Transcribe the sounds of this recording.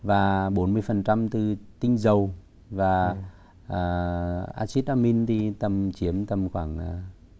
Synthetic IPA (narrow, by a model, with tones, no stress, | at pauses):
vaː˨˩ɓo˨˦nmɨ˧əjfə˨˩nt͡ɕa˧mt̪ɨ˨˩t̪ï˧ŋ̟zə˨˩w | vaː˨˩ | ʔəː˨˩ʔa̰ː˧si˦˥t̚ʔaː˧mi˧nt̪ʰi˨˩t̪ə˨˩mt͡ɕi˨˦əmt̪ə˨˩mxwa̰ː˧˩ŋʔ